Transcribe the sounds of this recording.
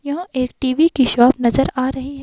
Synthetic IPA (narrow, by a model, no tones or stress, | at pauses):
jɐɦãʔeːk̚ʈiːʋikiʃɔːpnɐzəɾaːɾɐɦiɦɛː